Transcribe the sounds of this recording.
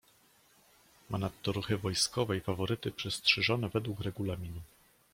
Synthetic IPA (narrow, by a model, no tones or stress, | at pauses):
mʔanat̪ːɔɾuxɘvɔjskɔvɛjfavɔɾɘt̪ɘpʂɛstʂɛʐɔnɛvɛd̪wukɾɛɡulamʲinu